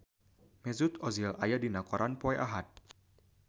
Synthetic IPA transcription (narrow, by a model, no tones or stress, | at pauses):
mɛzut̪ɔzilajadinakɔɾʔanpɔɛʔaɦat̪̚